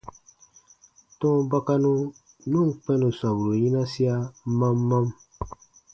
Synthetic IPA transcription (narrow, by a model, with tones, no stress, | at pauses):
tɔ̃˦ba˦ka˦nũ˦ | nũ˦˨k͡pɛ̃˦nũ˨sa˨bu˨ɾu˨jĩ˦na˦si˦a˦ma˦mːã˦m